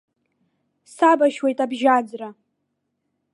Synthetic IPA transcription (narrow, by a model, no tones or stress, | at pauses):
sabaʃwe̞jtʼabʒad͡zra